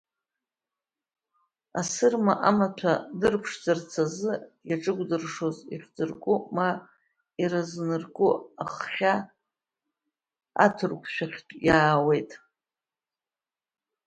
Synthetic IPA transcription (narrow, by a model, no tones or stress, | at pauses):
asɨrmaʔamatʷʰadɨrpʰʂd͡zɨrt͡sʰazɨjaʈ͡ʂʼɨɡ̚ʷʼdɨrʂo̞zḭχʲd͡zɨrkʷʼʊma | iɾaznɨrkʼʊaχχʲa | a̰tʰɨrkʷʰʃʷᶣaχʲtʼjaːwe̞jtʼ